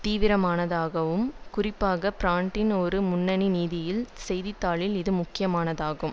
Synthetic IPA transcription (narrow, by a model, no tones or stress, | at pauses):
t̪iːʋɪɾɐmaːnɐðaːɣɐʋɯmkʊrɪpːaːɣɐpɪɾaːɳʈɪnɔɾɯmʊnːɐniniːðɪjɪlsɛjðɪt̪ːaːɭɪlɪðɯmʊkːɪjɐmaːnɐðaːɣɯm